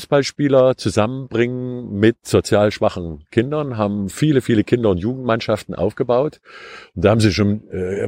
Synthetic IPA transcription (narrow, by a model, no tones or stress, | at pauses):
sb̥alʃpiːlɐt͡suzamənbʁɪŋənmɪtz̥ot͡sjaːlʃv̥aχn̩kʰɪndɐnɦaːbm̩fiːləfiːləkʰɪndɐʊntjuːɡŋ̩tmanʃaftn̩ʔa̰ʊfɡ̥əbaʊtʔʊntd̥aːhaːbm̩ziːʃoːnɛ